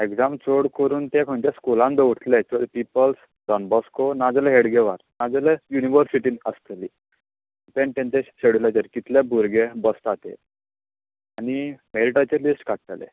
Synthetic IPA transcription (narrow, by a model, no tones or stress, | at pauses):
ekd͡zamt͡soɽkəɾuːnt̪ɛ̃kʰəɳt̪eskulãnd̪əʋuʈt̪lɛt͡ɕpipəls | ɖɔnbɔskonad͡zaleɦeɽɡeʋaɾnad͡zəlɛjuniʋəɾsiʈiːnəst̪li | peɳʈ̪ẽnt͡ɕeɕeɽulat͡ɕeɾkit̪ʰlebʱuɾɡebəst̪at̪ḛ | animeliʈat͡ɕelisʈkaʈt̪lḛ